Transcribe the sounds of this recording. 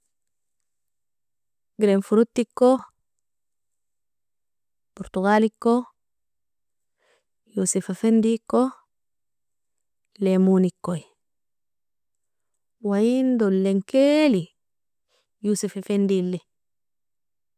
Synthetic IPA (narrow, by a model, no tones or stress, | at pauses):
ɡɾenfuɾutːikːo | puɾt̪uɡalikːo | jusifafendikːo | lemunikːoj | wajindolːeŋkeli | jusifefendilːi